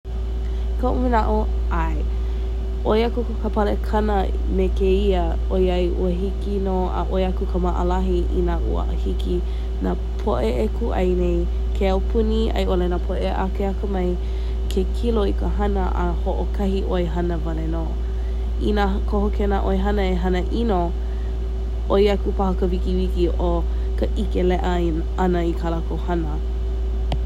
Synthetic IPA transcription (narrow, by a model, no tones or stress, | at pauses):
kʰɐʔumənaʔo | aj | ʔojɐkukəkʰəpɐlekʰɐnə | mekeiə | ojɐjʔṵəɦikino | ə̰ʔojɐkukʰəmaʔə̰lɐɦiʔḭnaʔṵə̰ʔhiki | na | pʰoʔeʔekuʔɐ̰jnej | kʰeawpʰuniɐ̰jʔolenapʰoʔeʔakeɐkəmɐj | kʰekʰiloikəɦɐnəʔahoʔokʰɐhiʔojɦɐnəvaleno | ina | kʰohokenaʔoeɦɐnəeɦɐnəʔino | ʔojɐkupahəkəvikiwikiʔo | kəʔikelɛʔə | ɐnəikʰalakowhɐnə